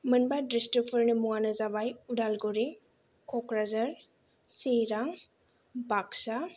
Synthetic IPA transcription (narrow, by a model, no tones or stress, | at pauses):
mɯnbadɾestɔpʰəɾnɯmuŋanɐzabajudalɡoɾi | kʰɔkɾazɐɾ | seɾaŋ | baksa